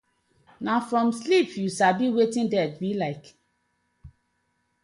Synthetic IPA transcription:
nafɹɔ̃mslipjusabiwetĩndɛd̚wilaɪk

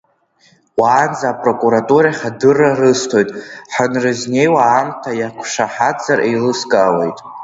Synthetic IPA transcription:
wʷaːnd͡zaːpʼro̞kʼuɾatʼuɾaχʲadɨrarɨstʰo̞jtʼħanrɨzne̞jwaːmtʰajakʷʰʂaħad͡zarʔejlɨskʼawe̞̰jtʼ

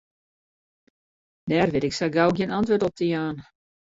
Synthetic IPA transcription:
nɛrʋɪtɪksaɡawɡjənantʋøtɔp̚təjaːn

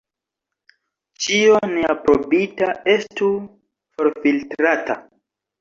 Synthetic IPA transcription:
t͡ʃioneapɾobitae̞stu | fo̞ɾfiltɾata̰

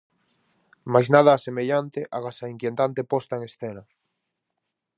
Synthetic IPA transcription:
majznað̞aːsemeʎant̪eʔaɣasaiŋkjent̪ant̪epɔst̪aeŋesθena

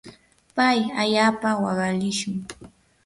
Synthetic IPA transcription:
pajaʎaːpawɑɢɑlɪʃʊŋ

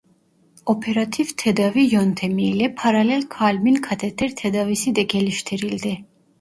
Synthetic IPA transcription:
ɔpʰɛɾat̪ʰivt̪ʰɛd̪avijɔnt̪ʰɛmiːlɛpʰaɾalɛlkʰalminkʰat̪ʰɛt̪ʰɛɾt̪ʰɛd̪avisid̪ɛɡɛliʃt̪ʰɛɾild̪ɛ

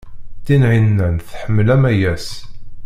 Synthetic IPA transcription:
t̪ːinʕinːænθħəmːəlæmæjæs

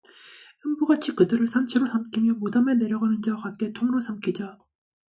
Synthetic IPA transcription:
ɯmbuɡat͡ɕʰikɯdɯɾɯɭsʰant͡ɕʰeɾosʰamkʰimjʌmodamene̞ɾjʌɡanɯnd͡ʑakat̚k͈etʰoŋɯɾosʰamkʰid͡ʑa

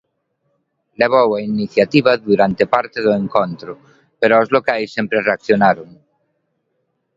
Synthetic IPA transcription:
leβowainiθjat̪iβaðuɾant̪epaɾt̪eðʊeŋkont̪ɾʊ | peɾʊaozlokajsːempɾereakθjonaɾoŋ

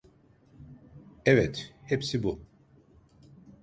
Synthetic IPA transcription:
ɛvɛt̪hepsibu

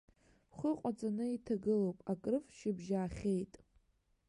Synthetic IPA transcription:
χʷʊqʷʼat͡sʼanɨitʰaɡɨlowpʼakʼrɨfʃɪbʒaːχʲejtʼ

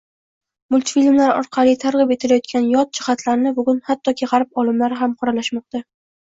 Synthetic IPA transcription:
mʊlʲt̪filmlaɾɒ̰ɾqʰɑlijt̪ʰaɾʁɨpe̞t̪ʰɪlajɒt̪̚kʲʰanjɒt̪̚d͡ʒɪχat̪laɾnɪbʊɡʊnhat̪ʰːɒkʲʰeʁaɾɪp̚ɒlˠɪmlaɾɪɦamqʰɒɾalaʃmɒq̚t̪a

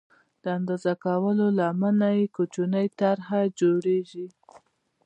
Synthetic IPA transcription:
d̪̥əand̪ɑzakawəlolamanajekut͡ʃunəjt̪aɾɦad͡ʒoɽeʒi

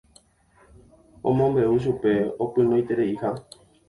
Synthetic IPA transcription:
õ̰mõmbe̞uʃ̬upe̞opɨ̃nõjt̪eɾeiha

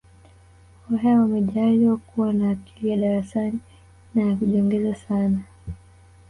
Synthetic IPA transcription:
ɔɦɛwamɛʄaliwakuwanaːki̥lijaɗaɾasani | najakuʄɔŋɡɛzasana

